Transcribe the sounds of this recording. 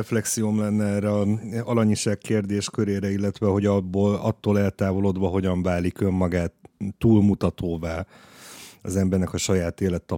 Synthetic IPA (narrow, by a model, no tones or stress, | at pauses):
ɛflɛksijomlɛnːɛɛːrːɛɒɒlɒɲiʃaːkkːeːrd̪eːʃkøɾeːɾɛilːɛt̪ʋɛɦo̞ɟɒbːoːlɒ̰t̪ːoːlɛlt̪aːvo̞lod̪ʋɒɦo̞ɟɒɱvaːlikø̞mːɒɡaːt̪ːuːlmut̪ɒt̪ʰoːvaː | ɒzɛmbɛrnɛkɒʃɒjaːt̪eːlɛt̪ːɒ